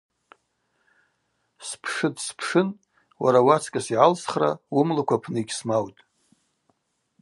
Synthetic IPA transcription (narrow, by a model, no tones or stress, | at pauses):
spʰʂɨdspʰʂɨn | wa̰ɾawat͡sʰkʼasiʕalsχra̰wʊmlakʷʰapʰnɨiɡʲsmawtʼ